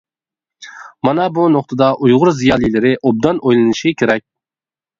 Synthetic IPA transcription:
mɑnɑbunoχt̪ʰɨd̪ɑʔujʁʊɾzijɑːlˠijlɪɾɪʔob̚d̪ɑnojlˠɨnɨʃikʲʰeɾɛk̚ʲ

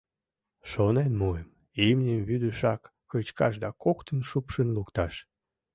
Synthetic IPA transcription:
ʃonenmuem | imnʲəmβyd̪əʃɑkːət͡ɕkɑʃ̬d̪ɑkokt̪ənʃupʃənlukt̪ɑʃ

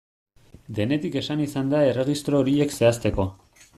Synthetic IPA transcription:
d̪e̞ne̞t̪ike̞sanisand̪ae̞re̞ɣist̪ɾo̞ːɾie̞kse̞as̬t̪e̞ko̞

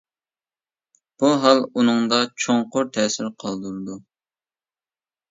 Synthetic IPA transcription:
b̥uɦɑlˠunɨŋd̪ɑt͡ʃʰoŋqʊɾt̪ʰɛːsɪɾqʰɑlˠd̪uɾɨd̪u

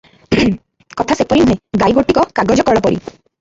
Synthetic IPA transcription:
kɔt̪ʰasepɔɾinuɦẽɡajɡoʈikɔkaɡɔd͡ʒɔkɔɭɔpɔɾḭ

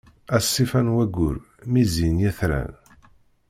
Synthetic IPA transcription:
æsːifænwæɡʊ̰ɾ | mizinjæθɾæ̰n

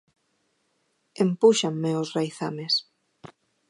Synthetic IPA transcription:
empuʃaŋmeosrajθames

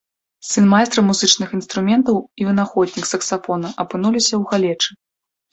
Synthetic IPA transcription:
sɨnmajst̪ɾɐmuzɨt͡ʂnɨxin̪st̪ɾumʲɛnt̪ɐwivʲɨnaxɔd̪ʲnʲiksɐksafɔnɐʔɐpɨnulʲisʲɐwɣalʲɛt͡ʂɨ

